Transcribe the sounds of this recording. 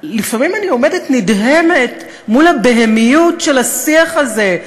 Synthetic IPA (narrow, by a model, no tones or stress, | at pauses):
lifamimanio̞me̞detnidɦemet | mulabeɦemijutʃelasiaχaze̞